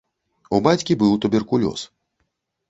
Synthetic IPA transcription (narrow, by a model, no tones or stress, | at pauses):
ubat͡sʲkʲibɨwt̪ubʲɛrkulʲɔ̰s